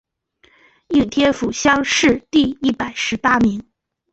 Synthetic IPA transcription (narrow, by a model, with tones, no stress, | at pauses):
i˥˩ŋt̪ʰjɛ˥fu˨˩ɕjɑ˥ŋʂɻ̩˥˧t̪i˥˧i˥˩pa˨˩ɪʂɻ̩˧˥pa˥mi˧˥ŋ